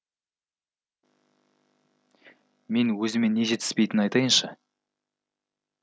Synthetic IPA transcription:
me̞nwɵzɪme̞nːe̞ʒe̞t̪ɪ̥spejt̪ɪnɑjt̪ɑjənʃɑ

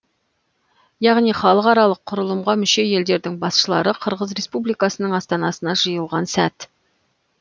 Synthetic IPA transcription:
jɑʁnijχɑlˠəqɑɾɑlˠəqʰːʊɾəlˠəmʁɑmʏʃe̞je̞ld̪e̞ɾd̪ɪŋbɑsʃəlˠɑɾəqʰəɾʁəzɾe̞spublijkɑsənəɴɑst̪ɑnɑsənɑʒəjəlˠʁɑnsæt̪

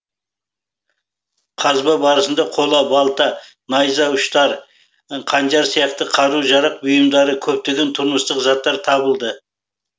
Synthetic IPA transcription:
qʰɑzbɑbɑɾəsənd̪ɑqʰo̞lˠɑbɑlˠt̪ɑ | nɑjzɑʊʃt̪ɑɾ | qʰɑnd͡ʒɑɾsijɑqt̪əqʰɑɾuʒɑɾɑq̚bʊjəmd̪ɑɾəkʲʰɵp̚t̪eɡʲe̞nt̪ʰʊɾməst̪əqzɑt̪ːɑɾt̪ʰɑbəlˠd̪ə

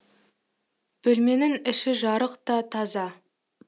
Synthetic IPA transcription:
b̥ɵlme̞nɪŋɪʃɪʒɑɾəqt̪ɑt̪ʰɑzɑ

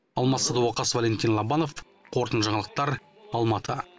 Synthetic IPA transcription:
ɑlˠmɑt̪səd̪ɑwɑqɑsvalʲe̞nt̪inlˠɑbɑno̞f | qʰo̞ɾt̪ənʒɑɴɑlˠəq̚t̪ɑɾ | ɑlˠmɑt̪ʰə

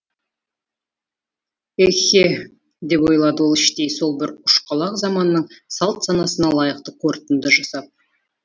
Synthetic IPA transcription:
exʲe | d̪e̞pwo̞jlˠɑd̪əwo̞lˠɪʃt̪e̞jso̞lˠbɪɾʊʃqɑlˠɑqzɑmɑnːəɴsɑlˠt̪sɑnɑsənɑlˠɑjəq̚t̪əqʰo̞ɾt̪ənd̪əʒɑsɑp̚

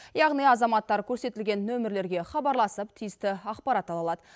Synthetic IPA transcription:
jɑʁnijɑzɑmɑt̪ːɑɾkʲʰɵɾse̞t̪ɪlɡʲe̞nːɵmɪɾle̞ɾɡʲe̞χɑbɑɾlˠɑsəpt̪ʰijɪst̪ɪɑqpɑɾɑt̪ɑlˠɑlˠɑd̪ə

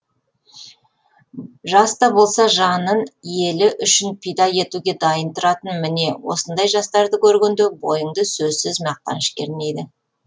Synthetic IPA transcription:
ʒɑst̪ɑbo̞lˠsɑʒɑnənje̞lɪʔʏʃɪnpʰijd̪ɑje̞t̪uɡʲe̞d̪ɑjənt̪ʊɾɑt̪ənmɪne̞wo̞̰sənd̪ɑjʒɑst̪ɑɾd̪əkʲʰɵɾɡʲend̪ebo̞jəɴd̪əsɵzsɪzmɑq̚t̪ɑ̰nʃkʲeɾne̞jd̪ɪ

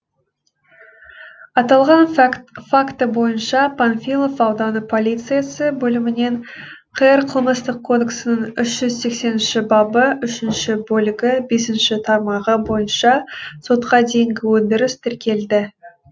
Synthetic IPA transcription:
ɑt̪ɑlˠʁɑnfakt̪əbo̞jənʃɑpʰanfʲilˠo̞fɑwd̪ɑnəpʰo̞lʲˠijt̪sɨjasəbɵlɪmɪne̞ɴqʰəjəɾqʰəlˠməst̪əqʰːo̞d̪eksənəɴʏʃʒ̥ʏzse̞kse̞nɪnʃɪbɑbəʏʃɪnʃɪbɵlɪɡʲɪbe̞sɪnʃɪt̪ʰɑɾmɑʁəbo̞jənʃɑso̞t̪qʰɑd̪ejɪŋɡʲɪwɵnd̪ɪɾɪst̪ʰɪɾkʲe̞ld̪ɪ

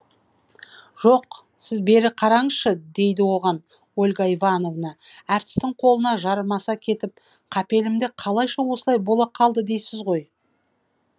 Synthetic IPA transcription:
ʒ̥oq | sɪzbe̞ɾɪqʰɑɾɑɴəzʃəd̪e̞jd̪ɪwo̞ʁɑn | olʲɡaivɑno̞vnɑæɾt̪ɪ̥st̪ɪɴqʰo̞lˠənɑʒɑɾəmɑsɑkʲʰe̞t̪ɪp̚ | qʰɑpe̞lɪmd̪eqʰɑlˠɑjʃɑwo̞səlˠɑjbo̞lˠɑqʰɑlˠd̪əd̪e̞jsɪzʁo̞j

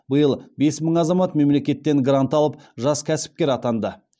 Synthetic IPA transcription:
bəjəlˠbe̞sməɴɑzɑmɑt̪me̞mle̞kʲe̞t̪ːe̞ŋɡrant̪ɑlˠəp̚ʒɑskʲʰæsɪ̥p̚kʲe̞ɾɑt̪ɑnd̪ə

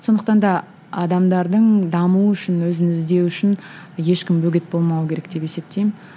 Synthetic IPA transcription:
so̞nd̪əq̚t̪ɑnd̪ɑ | ɑd̪ɑmd̪ɑɾd̪əɴd̪ɑmuəʏʃɪnwɵzɪnɪzd̪e̞wʏʃɪn | je̞ʃkʲɪmbɵɡʲe̞t̪̚bo̞lˠmɑwəkʲʰe̞ɾe̞k̚d̪̥e̞pe̞se̞p̚t̪ejmɪ

